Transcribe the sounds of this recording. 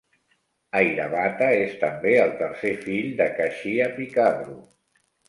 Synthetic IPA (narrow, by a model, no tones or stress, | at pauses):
ajɾəβat̪əest̪əmbeəlˠt̪ərsefiʎd̪əkəʃiəpikaβɾu